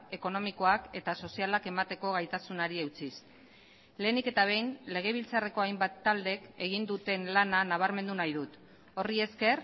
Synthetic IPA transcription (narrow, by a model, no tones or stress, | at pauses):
e̞ko̞no̞miko̞ake̞t̪aso̞sialake̞mat̪e̞ko̞ɣ̞ajt̪asunaɾiewt͡sis | le̞ːnike̞t̪aβ̞e̞jnle̞ɣ̞e̞β̞ilt͡sare̞ko̞ajmbat̪ːald̪e̞ke̞ɣ̞ind̪ut̪e̞nlananaβ̞aɾme̞nd̪unajðut̪ | o̞rie̞ske̞r